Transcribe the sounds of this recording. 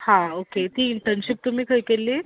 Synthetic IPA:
hãoket̪iːɳʈəɾnɕip̚t̪um̤iːkəjkelːiː

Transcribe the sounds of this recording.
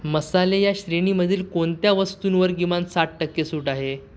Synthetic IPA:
məsalejaɕɾeɽ̃iməd̪ʱiːlkoɳt̪jaʋəst̪uːnʋəɾɡimansaʈ̚ʈəkːesuːʈaɦe

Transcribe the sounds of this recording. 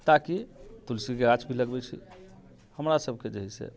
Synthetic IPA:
t̪akit̪ulsikeɾat͡ʃbʱiləɡbɛt͡ʃʰḭ | həmɾasəbʱked͡ʒəɦisḛ

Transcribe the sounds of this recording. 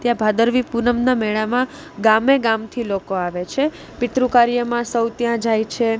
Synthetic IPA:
t̪jãbʱad̪əɾʋipunəmnamɛɭamã | ɡameɡamt̪ʰilokoaʋet͡ʃʰe | ʋɪt̪ɾũkaɾjəmãsəwt̪jãd͡ʒajt͡ʃʰe

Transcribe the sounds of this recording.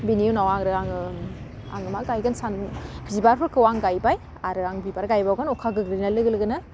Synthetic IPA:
biniunawaŋɾɯaŋɯ | a̰ŋɯmaɡajɡɯnsanbʰzibaɾpʰɯɾkʰɯwaŋɡajbaj | aɾɯaŋbibaɾɡajbawɡanɔkʰaɡɯɡɾinalɯɡɯlɯɡɯnɯ

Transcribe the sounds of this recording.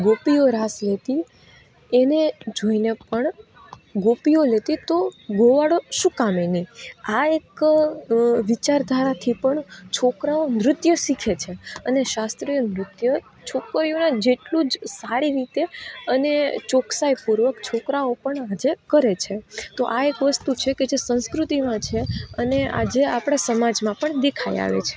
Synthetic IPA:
ɡopijoɾaslet̪i | ened͡ʒoinepəɳ | ɡopijolet̪it̪oɡoʋaɽoʃũkameniaek | ʋit͡ʃaɾd̪ʱaɾat̪ʰipəɳt͡ʃʰokɾaonɾʊt̪jəsikʰet͡ʃʰeəneʃast̪ɾijonɾʊt̪jə | t͡ʃʰokɾijonad͡ʒeʈlũd͡ʒsaɽiɾit̪eənet͡ʃoksajpuɾʋəkt͡ʃʰokɾaopəɳad͡ʒekəɾet͡ʃʰet̪oʔaekʋəst̪ut͡ʃʰeked͡ʒesə̃skɾut̪imãt͡ʃʰeənea̰d͡ʒeapɽ̃asəmad͡ʒmãpəɳd̪ekʰaḭja̰ʋḛt͡ʃʰe̥

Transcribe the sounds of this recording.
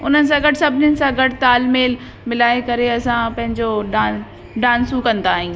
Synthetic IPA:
ʊnənɪ̆sãɡɐʈsɐbʱɪnɪənɪ̆sãɡɐʈt̪aːlmeːl | mɪlaːekɐɾeɐsãpɐ̃ɦɪ̃ɲd͡ʑoɖaː | ɖãːnsukɐ̃nd̪aːɦĩː

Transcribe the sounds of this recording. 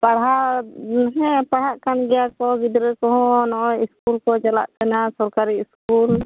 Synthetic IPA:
paɽɦaʔnɦɛpaɽ̤aʔkanɡɛjakɔɡid̪ɾɛkɔɦɔ̃nɔʔɔiskulkɔt͡ʃala̰ʔkanasɔɾkaɾiiskul

